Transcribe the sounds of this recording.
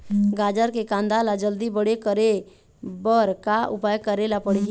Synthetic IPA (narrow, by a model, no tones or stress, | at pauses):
ɡad͡ʒəɾkekãnd̪alad͡ʒəld̪ibəɽekəɾe | bəɾkaʊ̰pajkəɾelapəɽ